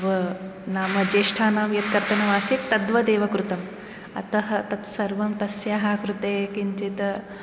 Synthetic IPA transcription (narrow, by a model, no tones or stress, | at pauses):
ʋɐnaːmɐd͡ʒeːʂʈʰaːnaːmjɐt̪kɐɾt̪ɐnɐʋaːsit̪ːɐd̪ʋɐd̪eːʋɐkɾut̪ɐm | ɐ̰t̪ɐɦɐt̪ɐt̪sɐɾʋɐmt̪ɐsjaːɦakɾut̪eːkiɲt͡ʃit̪ɐ